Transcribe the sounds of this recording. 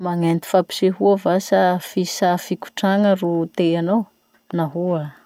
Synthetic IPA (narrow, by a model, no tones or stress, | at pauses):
maŋent̪i̥fapi̥ʃeɦuavasafisafikʲu̥ʈ͡ʂaŋərut̪eanow | naɦua